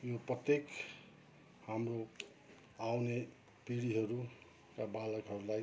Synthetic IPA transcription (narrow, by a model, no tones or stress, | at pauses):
joprʌt̪jek | hamro | awne | piɽiɦʌɾu | kabalʌkɦʌɾulaj